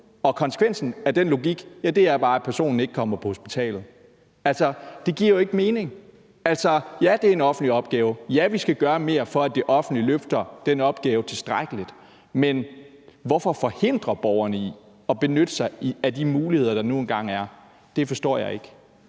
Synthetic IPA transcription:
ɒ̽kʰɒ̽nsə̥kʰʋen̰sn̩æd̥enlo̝ɡiɡ̥jæd̥e̝æɐb̥ɑ̈ːæpʰæɐso̝̰ːnn̩e̝ɡ̥kʰɒ̽m̰ɐpʰɒ̽ho̝sb̥it͡sʰɛ̰ːlð̞̩ˠ | ælsɒd̥e̝ɡ̥iɐjoe̝ɡ̥əme̝ːne̝ŋ | æl̰sɒjæd̥e̝æɐe̝nɒ̽fn̩dliɒ̽b̥̚ɡ̥ɛːʊjæʋisɡ̥æɡ̥ɶːɐme̝ːɐfɒ̽æd̥e̝ʔɒ̽fn̩dliløfd̥ɐd̥enɒ̽b̥ɡ̥ɛːʊət͡sʰe̝sd̥ʁaɡ̥əlid̥ | men | ʋɒfɒ̽fɒ̽he̝n̰d̥ʁɐb̥ɒʊɐnəi | ɒ̽b̥e̝nød̥əsɑ̈ɪiæd̥imuːliheð̞̰ˠɐd̥ɑ̈nuenɡ̥ɑ̈ŋ̰æɐ | d̥e̝fɒ̽sd̥ɒ̰ːjɑ̈ɪe̝ɡ̥

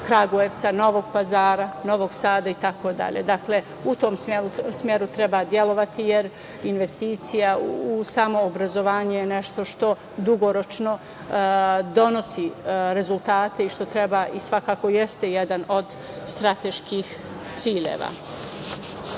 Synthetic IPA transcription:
kɾaɡueʋt̪sano̞ʋoɡpazaːɾano̞ʋoɡsaːd̪ait̪ako̞d̪a̰ʎḛd̪akle̞ | ut̪o̞ːmsmjelusmʲjeɾut̪ɾebaːd̪je̞lˠo̞ʋat̪ijeɾ | inʋe̞st̪iːt̪sijausamo̞ːbɾazo̞ʋaːɲejeneʃt̪o̞ʃt̪o̞ | d̪uɡo̞ɾo̞t͡ʃno̞ | d̪o̞no̞siɾe̞zult̪aːt̪e̞iʃt̪o̞t̪ɾebaʔisʋakaːko̞jest̪e̞jed̪ano̞d̪ | st̪ɾat̪eʃkix | t̪siːʎḛːʋa̰

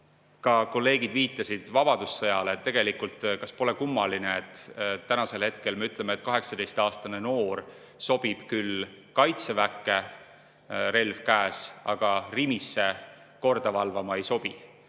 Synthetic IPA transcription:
kɑko̞lːe̞ːɡ̥id̪viːt̪ˑːɑsid̪̥vɑb̥ɑd̪̥usːɤjɑleːt̪ːe̞ɡe̞likult̪ˑkɑspo̞le̞kumːɑlineet̪ːˑt̪ːænɑse̞lhe̞t̪ke̞lme̞yt̪ˑle̞met̪̚ˑkɑɦe̞ksɑd̪e̞jst̪ɑːst̪ɑne̞no̞ːr | so̞b̥ib̥kylkɑjt̪sevækːˑe̞ | ɾe̞lvkæːsɑɡ̥ɑrimisːe̞ | ko̞rd̪̥ɑvɑlvɑmɑejso̞b̥i

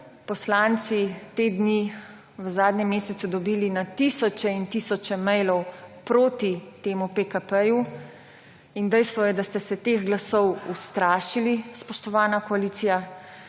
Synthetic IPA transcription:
pɔslant̪sit̪ed̪ni | ʋəzaːd̪nɛmːeːsɛt̪sud̪ɔbiːlinat̪isɔt͡ʃɛint̪isɔt͡ʃɛmɛjlɔwpɾoːt̪it̪eːmupekapɛju | ind̪ɛjst̪ʋɔjɛd̪ast̪ɛsɛt̪exɡlasɔwust̪ɾaːʃilispɔʃt̪ɔʋaːnakɔaliːt̪sija

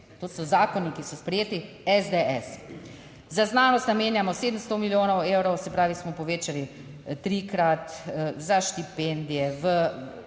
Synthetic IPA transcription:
t̪oːsɔzaːkɔnikisɔspɾɛjeːt̪i | ɛzd̪eɛs | zaznaːnɔst̪nameːnjamɔseːd̪əmst̪omiljoːnɔweːwɾɔwsɛpɾaːʋismɔpɔʋeːt͡ʃali | t̪ɾiːkɾat̪zaʃt̪ipend̪ijɛʋə

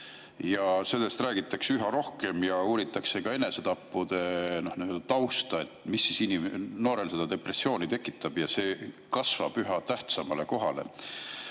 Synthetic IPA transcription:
jɑse̞lːe̞st̪ræːɡ̥it̪ːˑɑksyɦɑɾo̞hke̞mjɑuːɾit̪ːˑɑkse̞kɑe̞ne̞se̞t̪ɑpːˑud̪̥e̞no̞hniøld̪̥ɑt̪ɑwst̪ɑe̞t̪ːˑmisːisinimno̞ːɾe̞lse̞d̪̥ɑd̪e̞pre̞sːio̞ːnit̪e̞kːˑit̪ːˑɑb̥jɑse̞ːkɑsvɑ̰b̥yɦɑt̪æht̪sɑmɑle̞ko̞ɦɑ̰le̞̰

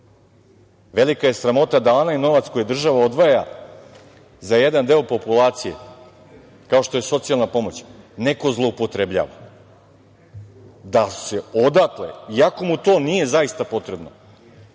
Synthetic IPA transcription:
ʋe̞likaje̞sɾamo̞t̪ad̪ao̞naino̞ʋat̪sko̞jed̪r̩ʒaʋao̞d̪ʋaja | zaje̞d̪and̪e̞opo̞pulˠaːt̪sije̞̰ | kaoʃt̪o̞je̞so̞t̪sialˠnapo̞mo̞t͡ɕne̞ko̞zlˠo̞upo̞t̪ɾe̞bʎa̰ːʋa̰ | d̪ase̞o̞d̪at̪lḛiako̞mut̪o̞ːnije̞zaist̪apo̞t̪ɾebno

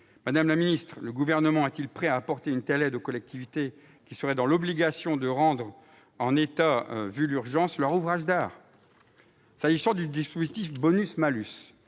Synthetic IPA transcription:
mad̪amlaminist̪χləɡuvɛʁnəmɑ̃ɛt̪ilpχɛaːpɔʁt̪eynt̪ɛlɛd̪okɔlɛk̚t̪ʰivit̪e | kʲisəʁɛd̪ɑ̃lɔbliɡasjɔ̃d̪əʁɑ̃d̪ʁ | ɑ̃net̪avylyʁʒɑ̃slœʁuvʁaʒd̪aːʁ | saʒisɑ̃d̪yd̪ispozit̪ifbɔnysmalys

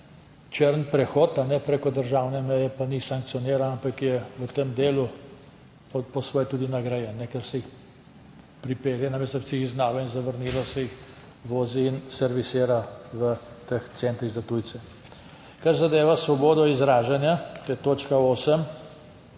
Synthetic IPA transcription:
t͡ʃeɾənpɾɛxɔːt̪anɛpɾeːkɔd̪əɾʒaːwnɛmɛjɛpanisaŋk̚t̪sijɔneːɾanampakjɛʋət̪emd̪eːlu | ppɔsʋɔjt̪uːd̪inaɡɾajɛnːɛkɛɾsɛjix | pɾipeːɾjanamɛsɔpsɛixiznaːlɔinzaʋəɾniːlɔsɛjix | ʋoːziːnsɛɾʋiseːɾaʋə | t̪əxt̪sɛnt̪ɾizat̪ujt̪sɛ | kaɾzad̪eːʋasʋɔboːd̪ɔizɾaːʒanjat̪ojɛt̪oːt͡ʃkaoːsəm

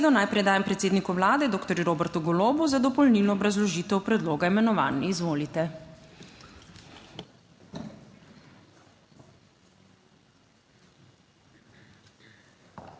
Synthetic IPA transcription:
d̪ɔnajpɾɛd̪aːjampɾɛt̪seːd̪nikɔʋlaːd̪ɛd̪oːkt̪ɔɾjuɾoːbɛɾt̪uɡɔloːbuzad̪ɔpɔlnilnɔːbɾazlɔʒiːt̪ɛwpɾɛd̪loːɡaimɛnɔʋa̰ːnːiizʋoːlit̪ɛ

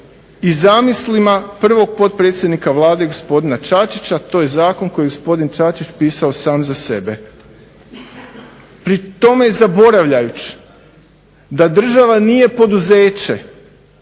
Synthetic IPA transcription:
izamislimapr̩ʋo̞ɡ̚po̞t̪̚pɾet̪sʲjed̪nikaʋlˠaːd̪e̞ɡo̞spo̞d̪inat͡ʃat͡ʃit͡ɕat̪o̞ːjezaːko̞nko̞jeɡo̞spo̞d̪int͡ʃat͡ʃit͡ʃpiːsao̞saːmzase̞be̞ | pɾit̪o̞mejezabo̞ɾaʋʎajut͡ɕ | d̪ad̪r̩ʒaʋanije̞po̞d̪uzeːt͡ɕe

